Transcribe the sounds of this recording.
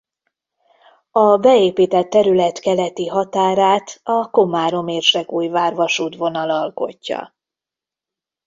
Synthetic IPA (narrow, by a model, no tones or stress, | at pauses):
ɒbɛeːpiːt̪ɛt̪ːɛɾylɛt̪kɛlɛt̪iɦɒt̪aːɾaːt̪ɒko̞maːɾo̞meːrʃɛkuːjvaːrvɒʃuːt̪vo̞nɒlɒlko̞̰cːɒ̰